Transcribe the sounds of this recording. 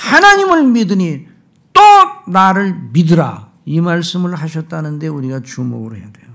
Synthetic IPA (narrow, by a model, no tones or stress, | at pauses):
hanaɲimɯɭmidɯɲi | t͈onaɾɯɭmidɯɾa̰ | imaɭs͈ɯmɯɭɦaɕʰʌt̚t͈anɯnde̞uɾiɡat͡ɕumo̰ɡɯɾhe̞jad̥we̞̰jo